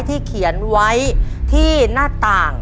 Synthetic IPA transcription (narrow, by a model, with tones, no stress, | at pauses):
jt̪ʰiː˥˩kʰi˩˦ənwa˦˥jt̪ʰiː˥˩naː˥˩t̪aː˨˩ŋ